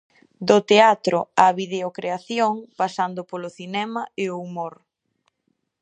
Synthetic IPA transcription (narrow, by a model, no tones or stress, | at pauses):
d̪ot̪eat̪ɾʊaβiðeokɾeaθjoŋpasand̪ʊpolʊθinɛmɐeoumoɾ